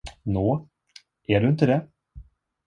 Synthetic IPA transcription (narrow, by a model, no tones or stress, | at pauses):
noː | ʔæɖɵɪnt̪əd̪ɛ